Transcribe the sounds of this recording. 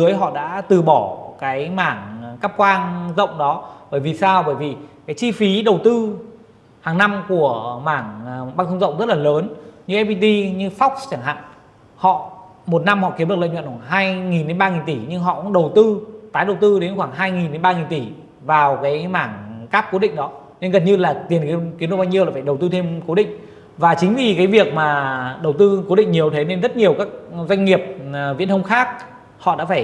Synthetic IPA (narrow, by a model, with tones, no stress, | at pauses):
zɨ˨˦əjɦɔ̰˧˨ɗa̰ː˧˥t̪ɨ˨˩ɓɔ˧˩kaː˨˦jmaː˧˩ŋkaː˦˥p̚kwaː˧ŋzə̰˧˨wŋ͡mɗɔ˨˦ɓəː˧˩jvi˨˩saː˧wɓəː˧˩jvi˨˩kaː˨˦jt͡ɕi˧fi˨˦ɗə˨˩wt̪ɨ˧ | haː˨˩ŋna˧mku˧˩əmaː˧˩ŋɓaː˧ŋt̪ʰə˧ŋ͡mzə̰˧˨wŋ͡mzə˦˥t̚laː˨˩ləː˨˦nɲɨ˧ʔɛ˦˧pi˧t̪i˧ɲɨ˧fɔ˦˥wk̚st͡ɕaː˧˩ŋɦa̰ː˧˨ŋ | hɔ̰˧˨ | mo˨˩t̚na˧mhɔ̰˧˨ki˨˦mɨ˨˩klə̰˧˨ɲwə̰˧˨waː˧˨˩ɦaː˧jŋi˨˩nɗe˨˦nɓaː˧ŋi˨˩nt̪i˧˩ɲɨ˧ŋɦɔ̰˧˨kʊ̰˧˥ŋ͡mɗə˨˩wt̪ɨ˧t̪aː˨˦jɗə˨˩wt̪ɨ˧ɗe˨˦nxwaː˧˩ŋɦaː˧jŋi˨˩nɗe˨˦nɓaː˧ŋi˨˩nt̪i˧˩ | vaː˨˩wkaː˨˦jmaː˧˩ŋkaː˦˥p̚ko˨˦ɗḭ̈˧˨ŋ̟ɗɔ˨˦ | ne˧nɣə˨˩nɲɨ˧laː˨˩t̪i˨˩nkki˨˦mnɨ˨˩kɓaː˧ɲi˧əwlaː˨˩faː˧˩ɗwt̪ɨ˧t̪ʰe˧mko˨˦ɗḭ̈˧˨ŋ̟ | vaː˨˩t͡ɕï˨˦ŋ̟vi˨˩kaː˨˦jvi˨˩ək̚maː˨˩ɗə˨˩wt̪ɨ˧ko˨˦ɗḭ̈˧˨ŋ̟ɲi˨˩əwt̪ʰe˨˦ne˧nzə˦˥t̚ɲi˨˩əwkaː˦˥k̚zwa˧ŋ̟ŋi˨˩əp̚vḭ˧˥nt̪ʰə˧ŋ͡mxaː˦˥k̚ | hɔ̰˧˨ɗa̰ː˧˥faː˧˩j